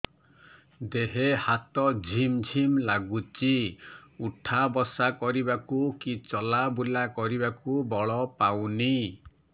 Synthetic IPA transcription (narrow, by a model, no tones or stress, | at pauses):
d̪eɦehat̪ɔd͡ʒʱimd͡ʒʱimlaɡut͡ʃiuʈʰabɔsakɔɾibakukit͡ʃɔlabulakɔɾibakubɔɭɔpawni